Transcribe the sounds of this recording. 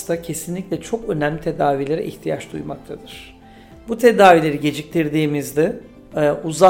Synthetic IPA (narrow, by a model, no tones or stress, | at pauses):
st̪acʰe̞sinlʲicʲlʲɛt͡ʃʰo̞kø̞næmlʲit̪ʰe̞d̪aːvilʲe̞ɾɛ̰ʔḭçt̪ʰijat͡ʃd̪ṵjmak̚t̪ʰad̪ɯɾ̥ | but̪ʰe̞d̪aːvilʲe̞ɾiɟe̞d͡ʒic̚t̪ʲiɾd̪iːmizd̪ɪ | uza